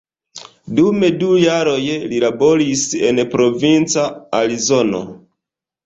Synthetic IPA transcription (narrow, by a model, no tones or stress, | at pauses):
dume̞dujaɾo̞jlilabo̞ɾise̞npɾo̞vint͡saaɾizono̞̰